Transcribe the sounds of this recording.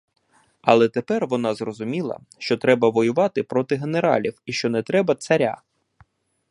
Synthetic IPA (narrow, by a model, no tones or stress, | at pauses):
ɐ̰lˠɛt̪epɛrʋɔnɑzrɔzʊmʲilˠɐ̰ | ʃt͡ʃɔt̪ɾɛbɐʋɔjʊʋɑt̪ɪpɾɔt̪ɪɦeneɾɑ̰lʲiwiʃt͡ʃɔnɛt̪ɾɛbɐt̪sɐɾʲa̰